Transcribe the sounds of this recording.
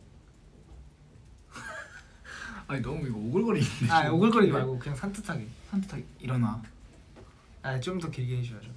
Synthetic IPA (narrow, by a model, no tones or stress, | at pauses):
aɲinʌmuiɡooɡɯɭk͈ʌɾideaoɡɯɭk͈ʌɾiaɡokɯɲaŋsʰantʰɯtʰaɡisʰantʰɯ̥tʰaɡiiɾʌna | at͡ɕomtʌkeɡiɦeɕʰiad͡ʑo